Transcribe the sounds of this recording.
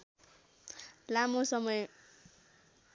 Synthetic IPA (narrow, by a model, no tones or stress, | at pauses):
lamosʌmʌj